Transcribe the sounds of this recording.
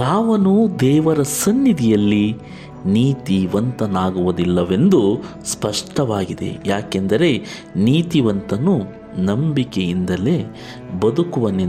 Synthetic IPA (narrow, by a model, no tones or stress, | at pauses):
aːʋɐnud̪ɛːʋɐɾɐsɐnːid̪ʱijɐlːi | niːt̪iʋɐnt̪ɐnaːɡuʋud̪ilːɐʋe̞nd̪uspɐʂʈɐʋaːɡid̪e̞̰jaːkend̪ɐɾe̞ | niːt̪iʋɐnt̪ɐnu | nɐmbikejind̪ɐle̞ | bɐd̪ukuʋɐne